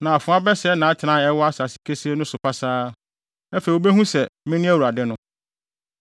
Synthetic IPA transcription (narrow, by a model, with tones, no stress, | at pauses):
nã˨a˨fʊ̃˨˦a˦bɛ˦sɛ˦nã˨a˦tʰɪ˨nã˦ɛ˦wɔ˦a˦sa˨si̥˨˦kʰe˦se˦nʊ̃˦sʊ˨pʰa˦saː˦ | ɛ˦fe˨wo˦be˦hũ˦sɛ˨mɪ̃˦nɪ̃˦æ˦wu˨ɾa˨dɛ˦nʊ̃˦